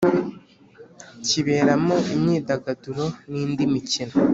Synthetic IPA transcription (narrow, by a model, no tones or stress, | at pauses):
ciβe̞ːɾamoimɲiːdaɡaduɾo̞niːndimicino